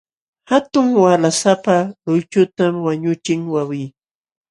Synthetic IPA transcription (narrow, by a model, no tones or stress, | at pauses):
hat̪ʊŋwalasapalʊjt͡ʃʊt̪amwaɲʊt͡ʃɪŋwawij